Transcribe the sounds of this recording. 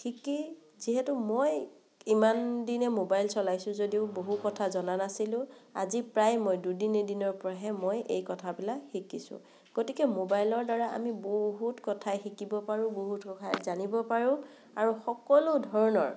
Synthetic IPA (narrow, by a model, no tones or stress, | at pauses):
tʰiki | ziɦɛtʊmoj | imandinɛmobajlsɔlajsʊ̃zodiʊboɦukɔtʰazɔnanasilʊ̃a̰zipɹajmojdudinedinɔɹpɔɹaɦɛmojʔḛjkɔtʰabilakxikisʊ̰̃ | ɡ̥otikɛmobajlɔɹdaɹaʔa̰miboɦutkɔtʰajxikibɔpaɹʊ̃boɦutkɔkʰajzanibɔpaɹʊ̃ | aɹuxɔkɔlodʱɔɹɔnɔɹ